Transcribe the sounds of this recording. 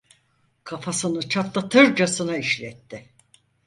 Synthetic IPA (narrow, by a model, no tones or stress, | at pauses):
kʰafasɯnɯt͡ʃʰat̪lˠat̪ʰɯɾd͡ʒasɯnaiʃlʲɛt̪ːɪ